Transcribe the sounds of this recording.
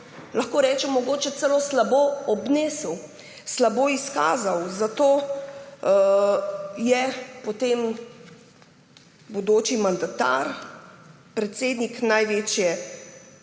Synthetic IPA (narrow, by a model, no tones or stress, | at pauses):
lɐxkoːɾɛːt͡ʃɛmːɔɡoːt͡ʃɛt̪sɛloːslaboːɔbneːsəw | slaboːiska̰ːzawzat̪oː | jɛpɔt̪em | bod̪oːt͡ʃimand̪at̪a̰ɾ | pɾɛt̪seːd̪niknajʋeːt͡ʃjɛ